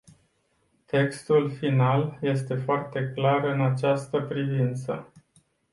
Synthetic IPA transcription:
t̪e̞kst̪ulfinalje̞s̬t̪e̞foart̪e̞klarɨnat͡ʃast̪əpɾivint̪sə̰

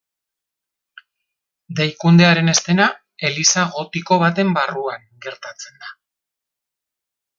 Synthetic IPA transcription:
d̪ejkund̪e̞aɾe̞ne̞st̪e̞na | e̞lisaɣo̞t̪iko̞βat̪e̞mbaruaŋɡe̞ɾt̪at͡se̞nd̪a

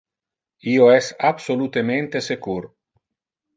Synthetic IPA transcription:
ioɛsabsolut̪emẽnt̪esekuɾ

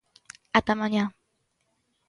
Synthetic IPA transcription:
at̪amaɲa

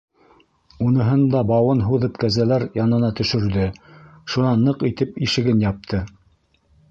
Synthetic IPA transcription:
unɤ̆ɦɤnd̪ɑbɑwɤnɦuðɤpkæzælæɾjɑnɤ̆nɑt̪ɵ̆ʃɵ̆ɾðɘʃunɑnːɤqit̪ɘpiʃɘ̆ɡɘnjɑp̚t̪ʰɤ

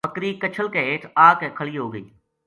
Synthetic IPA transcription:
pəkɾikət͡ʃʰəlkeeːʈʰaːkekʰəɭiːɦoːɡəḭː

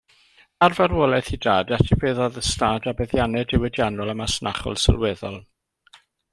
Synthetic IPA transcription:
arvarwɔlˠɛθidaːdatʰibeːðɔðəstaːdabɛðjanɛdɪwɛdjanɔlˠəmasnʔaχɔ̰lˠsə̰lˠwɛðɔlˠ

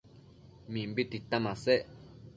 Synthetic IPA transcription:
mimbit̪it̪amasɛʔ

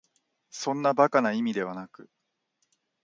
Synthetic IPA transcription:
sõ̞nːabakanaimʲid̪e̞β̞anakɯ̟

